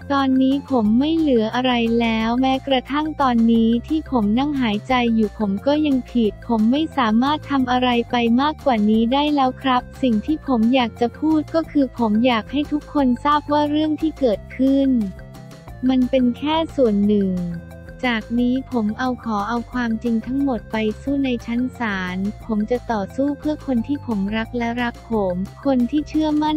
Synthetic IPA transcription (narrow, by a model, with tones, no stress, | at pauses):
t̪ɔː˧nːiː˦˥pʰo˩˦mːa˥˩jlɯ˩˦əʔa˧ɾa˧jlɛː˦˥wmɛː˦˥kɾa˧t̪ʰa˥˩ŋt̪ɔː˧nːiː˦˥t̪ʰiː˥˩pʰo˩˦mna˥˩ŋɦaː˩˦jt͡ɕa˧jːuː˨˩pʰo˩˦mkɔː˥˩ja˧ŋpʰiː˨˩t̪̚pʰo˩˦mːa˥˩jsaː˩˦maː˥˩t̪ʰːa˧mʔa˧ɾa˧jpa˧jmaː˥˩kːwaː˨˩niː˦˥daː˥˩jlɛː˦˥wkʰɾa˦˥p̚si˨˩ŋt̪ʰiː˥˩pʰo˩˦mjaː˨˩k̚t͡ɕa˨˩pʰuː˥˩t̪̚kɔː˥˩kʰɯː˧pʰo˩˦mjaː˨˩k̚ha˥˩jt̪ʰu˦˥kʰːo˧nsaː˥˩p̚waː˥˩ɾɯ˥˩əŋt̪ʰiː˥˩kɤː˨˩t̪̚kʰɯ˥˩n | ma˧npe˧nkʰɛː˥˩su˨˩ənːɯ˨˩ŋ | t͡ɕaː˨˩k̚niː˦˥pʰo˩˦mʔa˧wkʰɔː˩˦ʔa˧wkʰwaː˧mt͡ɕi˧ŋt̪ʰa˦˥ŋmo˨˩t̪̚pa˧jsuː˥˩na˧jt͡ɕʰa˦˥nsaaː˩˦npʰo˩˦mt͡ɕa˨˩t̪ɔː˨˩suː˥˩pʰɯ˥˩əkʰo˧nt̪ʰiː˥˩pʰo˩˦mɾa˦˥k̚lɛ˦˥ɾa˦˥k̚pʰːo˩˦mkʰo˧nt̪ʰiː˥˩t͡ɕʰɯ˥˩əma˥˩n